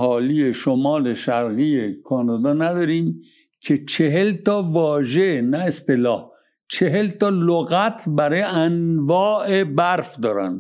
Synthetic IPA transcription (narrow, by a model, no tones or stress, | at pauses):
hɒːlije̞ʃomɒːle̞ʃæɾɣiekʰɒːnɒd̪ɒːnæd̪ɒːɾiːm | cʰet͡ʃʰeɦelt̪ʰɒːvɒːʒenæest̪elɒːh | t͡ʃʰe̞ɦe̞lt̪ɒːloɣæt̪ʰbæɾɒːjeænvɒːʔebæɾfd̪ɒːɾæ̰nd̪